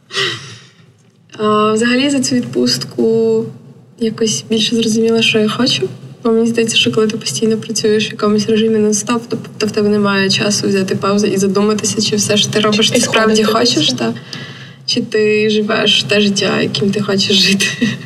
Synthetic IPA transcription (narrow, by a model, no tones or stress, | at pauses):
awzɐɦɐlʲizɐt͡sʲuʋʲid̪pust̪kʊ | jakɔsʲbʲilʲʃɛzrɔzʊmʲilˠɐʃt͡ʃɔjaxɔt͡ʃʊbɔmenʲizd̪ɐjɛt͡sʲːɐ̥ʃt͡ʃɔkɔlˠɪt̪̬ɪpɔ̥sʲtʲijnɔpɾɐt͡sʲujeʃʋjɐkɔmʊsʲreʒɨmɪnɛst̪awt̪ɔt̪ɔwt̪ɛbnɛmɑjʊt͡ʃɑsʊwzʲat̪ɪpɑwzɐʔizɐd̪umɐt̪ɪsʲɐt͡ʃɪwsɛʃt̪ɪɾɔbɪʃt̪ɪspɾɑwdʲixɔt͡ʃeʃt̪a | t͡ʃɪt̪ɪʒɪʋɛ̰eʃt̪ɛʒɪtʲːa̰jɐ̰kʲimt̪ɪxɔt͡ʃeʃʒɪt̪ɪ̥